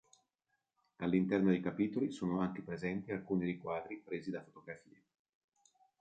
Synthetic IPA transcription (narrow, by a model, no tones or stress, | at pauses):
alːint̪ɛrnod̪ejkapiːt̪olisoːnoaŋk̟epɾezɛnt̪ialkuːniɾikwaːd̪ɾipɾeːzid̪afot̪oɡɾafiːe